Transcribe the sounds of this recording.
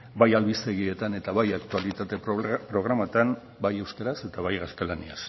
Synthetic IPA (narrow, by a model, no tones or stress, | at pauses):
bajalβist̪e̞ɣie̞t̪ane̞t̪aβajak̚t̪ualit̪at̪e̞ppɾo̞ɣ̞ɾamat̪an | baje̞wskaɾase̞t̪aβajɣast̪e̞lanḭas